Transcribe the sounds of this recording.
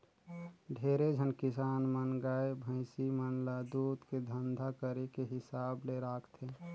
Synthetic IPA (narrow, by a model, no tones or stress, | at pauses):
ɖʱeɾed͡ʒʱənkɪsaːnmənɡaːebʱə̃ɪ̃simənlad̪uːd̪ked̪ʱənd̪ʱakəɾekeɦɪsaːbleɾakʰt̪ʰe